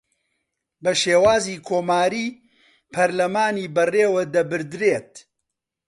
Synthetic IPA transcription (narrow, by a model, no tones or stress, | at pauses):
bɐʃeːwaːziːkʰoːmaːɾiː | pʰɐɾlɐmaːniːbɐreːwɐd̪ɐbɨɾd̪ɾeːt̪̚